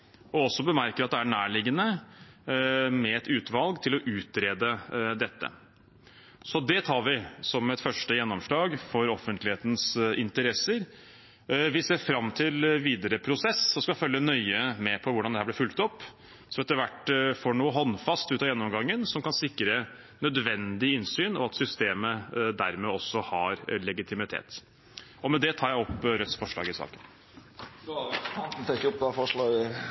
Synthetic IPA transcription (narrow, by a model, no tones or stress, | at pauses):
ɔɔsːɔbəmæɾkəɾɑt̪d̪ɛæɳæːɭɪɡːənə | mɛɛt̪ʉːt̪ʋɑlɡt̪ʰɪlɔʔʉːt̪̚ɾeːd̪əd̪ɛt̪ːə̰ | sɔd̪ɛt̪ʰɑːɾʋɪsɔmɛt̪fœʂʈəjɛnːɔmʂɭɑːɡfɔɾɔfənt̪lɪheːt̪n̩sɪnt̪əɾɛsːəɾ | ʋɪseːɾfɾɑmːt̪ʰɪlʋiːd̪əɾəpʰɾʊsɛsːɔskɑfœlːənœʏəmɛpʰɔʋʊɖɑnɛhæːb̪lɪɾfʉlt̪ɔpː | sɔɛt̪ːəɾʋæʈːfɔɳuːəɦɔnːfɑst̪ʉːt̪ɑːjɛnːɔmɡɑŋːənsɔmkɑnsɪkːɾə | nœd̪ʋɛnd̪ɪɪnsyːnɔ̰ɑt̪sʏst̪eːməd̪æɾmɛɔsːɔhɑɾlɛɡɪt̪ʰɪmɪt̪ʰḛːt̪ | ɔmɛd̪ɛt̪ʰɑːɾjæɪɔpːɾœt̪sfɔʂɭɑ̰ːɡɪsɑ̰ːkən | t̪ʰɛkəɔp̚d̪æfɔʂlɑːɡ